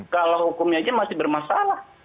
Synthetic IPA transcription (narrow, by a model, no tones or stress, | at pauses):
kalahukʊmɲad͡ʒamasɪbərmasalah